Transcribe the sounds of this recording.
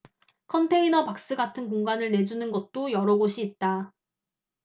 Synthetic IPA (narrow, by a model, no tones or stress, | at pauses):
kʰʌntʰe̞inʌpak̚s͈ɯɡatʰɯnkoŋɡanɯɭne̞d͡ʑunɯnɡʌt̚t͈ojʌɾʌɡoɕʰiːt̚t͈a